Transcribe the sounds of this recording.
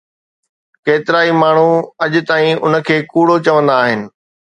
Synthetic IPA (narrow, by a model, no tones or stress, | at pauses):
keːt̪ɪɾaːimaːɳ̤uɐʄʊt̪aːĩʊnə̆kʰeːkuːɽot͡ɕɐʋə̃nd̪aːɦɪnɪ̆